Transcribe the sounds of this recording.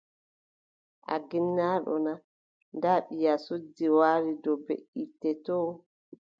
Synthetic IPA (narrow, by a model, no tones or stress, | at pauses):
ʔa̰ɡinːaːɗɔ̰na | ndaɓijasodːiwaːɾidɔbḛʔitːɛtɔː